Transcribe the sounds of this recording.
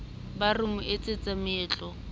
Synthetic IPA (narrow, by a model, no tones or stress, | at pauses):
barʊmʊʔet͡sʼet͡sʼamɛːt͡ɬʼɔ